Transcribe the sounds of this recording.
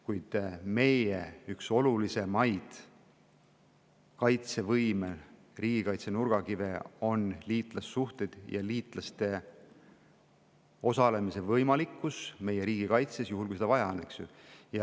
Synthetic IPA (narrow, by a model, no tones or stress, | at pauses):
kujd̪̥me̞jḛykso̞lulise̞mɑjd̪̥ | kɑjt̪se̞vɤjmel | riːɡ̥ikɑjt̪se̞nuɾɡ̥ɑkive̞o̞nliːt̪ˑlɑsːuht̪e̞d̪̥jɑ̰liːt̪ˑlɑst̪e̞ | o̞sɑle̞mise̞vɤjmɑlikːusme̞je̞ɾiːɡ̥ikɑjt̪sesjuɦulkujs̬ed̪ɑvɑjɑ̰ɑnːeksjṵjɑ